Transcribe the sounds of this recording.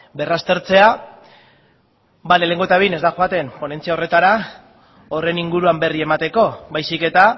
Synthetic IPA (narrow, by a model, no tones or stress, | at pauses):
be̞rast̪e̞ɾt͡se̞a | balele̞ŋɡoe̞t̪aβijne̞zd̪axoat̪e̞mpo̞ne̞nt͡siao̞re̞t̪aɾa | ore̞niŋɡuɾuambe̞rie̞mat̪e̞ko̞bajsike̞t̪a